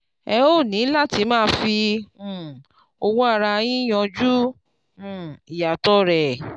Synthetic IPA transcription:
ɛ˧o˦˨nĩ˨˦la˦˨ti˨˦mãː˦fĩ˧˨ | o˧wo˦a˦˧ɾa˧j̃ĩ˦j̃ɔ̃˧d͡ʒũ˦˨ | i˨ja˨tɔ˦ɾɛ˨

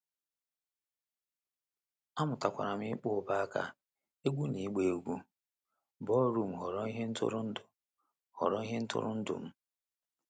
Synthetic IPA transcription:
a˦mʊ˨ta˨kʷa̰˨ɾa˨mɪ˦k͡pʊ˦ba˦a˦ka̰˦ | e˦ɡʷu˦ni˨˦ɡ͡be˨ɡʷu˦ | bɔ˦ɾu˦m̩˨ɦɔ˨ɾɔ˦i˦ɦe˦n̩˦tʊ̰˦ɾʊ˦n̩˦dʊ˨ | hɔ̰˨ɾɔ˦i˦ɦe˦n̩˦tʊ̰˦ɾʊ̰˦n̩˦dʊ̰˨m̩˦

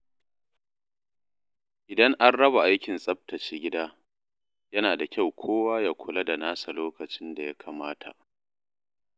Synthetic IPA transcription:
ʔɪ˨dɐ˦ŋʔa˦nɽɐ˦ba˨ʔa˦jkʲɪ˨nsʼɐ˦b̚tɐ˨t͡ʃiː˦ɡʲɪ˦daː˦ | jɐ˦naː˨da˨kʲa˦˨wkʷʰoː˦waː˦ja˨kʷʰʊ˨lɐ˦da˨naː˦sa˨loː˦kɐ˨t͡ʃɪ˦nda˨ja˦kʰaː˨maː˦tʰa̰˨ʔ

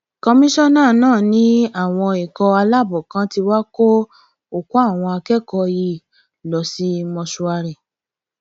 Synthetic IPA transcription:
kɔ˧mĩ˦ʃɔ̃˦˨nãː˦˨nãː˦˨nĩ˨˦a˦˨w̃ɔ̃˧i˨kɔ˧a˧la˦˨bɔ˨kã˨˦ti˧wa˦ko˦ | o˨ku˦a˦˨w̃ɔ̃˧a˧kɛ˦kɔ˧ji˧˨ | lɔ˨si˨˦mɔ̃˧su˧a˧ɾɛ˨

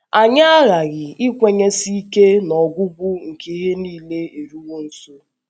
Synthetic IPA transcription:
a˨ɲa˦a˦ɣa˨ɣɪ˨ɪ˦kʷe˨ɲe˦si˦i˦ke˦nɔ˨ɡʷʊ˦ɡʷʊ˦ŋ̩˨ke˦i˦ɦe˦niː˦le˦e˨ɾu˦wo˦n̩˦so˦

